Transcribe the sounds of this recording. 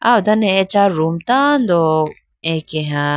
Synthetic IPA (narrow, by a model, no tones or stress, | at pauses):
a̰wd̪ɐnẽet͡ʃaɾumt̪and̪o | ẽkeɦã